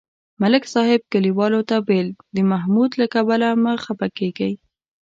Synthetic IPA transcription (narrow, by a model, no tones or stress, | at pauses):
malɪksɑhɪb̚kəliwɑlot̪abeld̪əmaɦmud̪lakabalaməxapakeɡaj